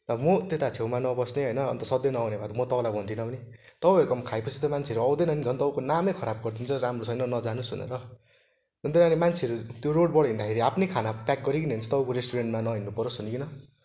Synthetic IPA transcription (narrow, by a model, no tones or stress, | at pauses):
ʌmot̪et̪at͡sʰewmanʌbʌsneɦʌjnʌːnt̪ʌsʌd̪jenʌawnebʱat̪ʌmʌt̪ʌpalabʱʌnt̪ʰinʌbʌnit̪ʌpaʌɾukʌmkʰaepʌt͡sʰit̪omant͡sʰeʌɾuʌw̃d̪enʌnid͡zʱʌnt̪ʌukonamekʰʌɾab̚ɡʌrt̪ʰint͡sʰʌɾamrosʰʌjnʌnʌd͡zanusɦṵnḛɾʌ | ɦunt̪inanimant͡sʰeʌɾut̪joɾoɽ̚bʌɽʌɦĩnd̪akʰeɾiapʰnekʰanapjak̚ɡʌɾik̬ineunt͡sʰʌ̥t̪ʌbukoɾesʈuɾeɳʈmanʌɦinːupʌɾosʌnikinʌ